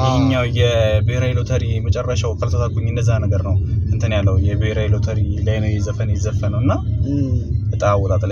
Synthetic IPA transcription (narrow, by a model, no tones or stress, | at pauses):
ɲːawjɛbɨhɾailot̪ʰəɾimət͡ʃʼɛrːaʃawkʰəlsot̪ʰaɡuɲːɨnd̪əzːanəɡəɾnəwɨnt̪ʰənjalːəwujɛbɨheɾailot̪ʰəɾilajnəwjɛzəfənjɛzəfːənəwɨnːa | ɨt̪ʼawɔlat̪ʰʼl